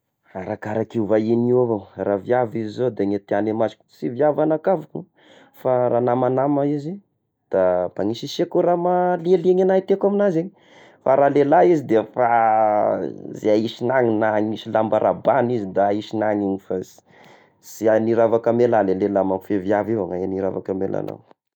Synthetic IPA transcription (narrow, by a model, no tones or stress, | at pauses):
aɾakaɾakiuvainioaravjavizizod̪eŋet̪ianemasi̥ku̥siviavanakavaku | faɾanamanamaizi | d̪̥apaŋiʃiʃekuramaleleɲanait̪ekaminazeɲi̥ | faɾalelaizid̪efa | zeaiʃinaŋinaɲiʃilambaɾʔabanizid̪aiʃinaŋiɲifas | sianiɾavakəmelalelelamamfevjavewaŋaeniɾava̰kəmela̰na̰w